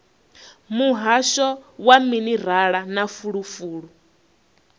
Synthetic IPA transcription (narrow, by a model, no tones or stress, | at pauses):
muɦaʃɔwaminiɾ̤aɺanafuɺufuːɺu